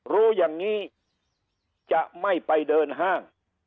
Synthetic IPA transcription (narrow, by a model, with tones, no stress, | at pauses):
ɾuː˦˥jaː˨˩ŋːiː˦˥ | t͡ɕa˨˩ʔma˥˩jpa˧jdɤː˧nɦaː˥˩ŋ